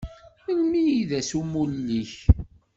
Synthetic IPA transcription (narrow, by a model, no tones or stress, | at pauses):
əlmijiðæsumullːiç